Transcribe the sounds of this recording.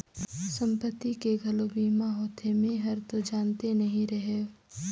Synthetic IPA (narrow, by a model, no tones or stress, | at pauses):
sɐ̃mpət̪ːikeɡʱɐlobiːmaɦɔːt̪ʰemẽɦɐɾt̪od͡ʒaːnt̪enɐɦĩɾɐɦe